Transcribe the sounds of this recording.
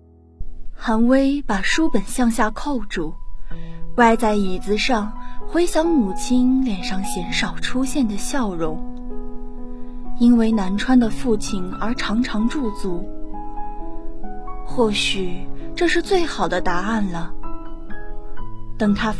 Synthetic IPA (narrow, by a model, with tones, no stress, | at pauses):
xa˧˥nwe˥ɪpa˨˩ʂu˥pə˨˩nɕjɑ˥˧ŋɕja˥˧kʰo˥˩ʊʈ͡ʂu˨˩ | wa˥˧ɪt͡sa˥˩ɪi˨˩t͡sɹ̩˧ʂɑ˥˧ŋxwe˥ɪɕjɑ˧˥ŋmu˨˩t͡ɕʰi˥nljɛ˨˩nʂɑ˥˩ŋɕjɛ˧˥nʂɑ˨˩ʊʈ͡ʂʰu˥ɕjɛ˥˩nd̪ə˩ɕjɑ˥˩ʊɻʊ˧˥ŋ | i˥nwe˥˩ɪna˧˥nʈ͡ʂʰwa˥nd̪ə˨fu˥˩t͡ɕʰi˨˩nə˞˧˥ʈ͡ʂʰɑ˧˥ŋʈ͡ʂʰɑ˧˥ŋʈ͡ʂu˥˩t͡su˧˥ | xwɔ˥˩ɕy˨˩ʈ͡ʂɤ˥˧ʂɻ̩˥˧t͡swe˥˩ɪxɑ˨˩ʊd̪ə˦t̪a˧˥a˥˩nlə˩ | t̪ɤ˨˩ŋt̪ʰa˥